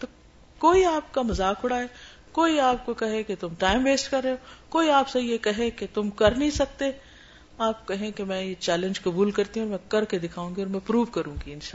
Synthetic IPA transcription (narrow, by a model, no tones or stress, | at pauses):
t̪oː | koːiaːp̚kamɐzaːkʊɽaɦɛː | koːiaːp̚kokɐɦẽket̪ʊmʈaːɪmʋeːsʈkɐɾːeɦoːkoːiaːpsejekɐɦẽket̪ʊmkɐɾnĩsɐk̚t̪e | aːp̚kɐɦẽkemɛ̃jet͡ʃɛːlɪ̃nd͡ʒkɐbuːlkɐɾt̪iɦũːɾmɛ̃kɐɾked̪ɪkʰaːũːŋɡiɔːɾmɛ̃pɾuːʋkɐɾũːɡiɪnʃaːl